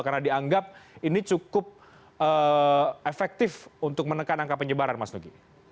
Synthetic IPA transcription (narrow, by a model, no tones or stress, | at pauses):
karnadiaŋɡap̚init͡ʃukʊp̚ | ə | efɛk̚t̪ɪfunt̪ʊk̚mənəkanaŋkapəɲəbaɾanmasnuki